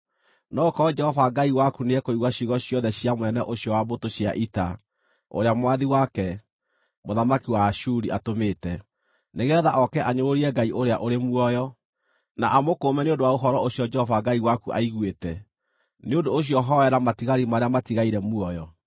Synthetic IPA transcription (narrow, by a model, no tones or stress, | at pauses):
nɔokɔɔd͡ʒɛhɔvaɡaiwakuneɛkoiɣwaɕiɣɔɕjɔðɛɕiamwɛnɛʔoɕjɔwabotoɕja̰ʔita̰ | o̰ɾeamwaðiwakɛ | moðamakiwaʃuɾiʔatomeːtɛ | neɣɛðaʔɔkɛʔaɲoɾoɾiɛɡaiʔoɾeaʔoɾemuɔjɔ | naʔamokoːmɛneondowaoɦɔɾɔoɕjɔd͡ʒɛhɔvaɡaiwakuʔa̰iɣwetɛ | neodoːɕ̬jɔɦɔɛɾamatiɣaɾimaɾeamatiɣaiɾɛmuɔjɔ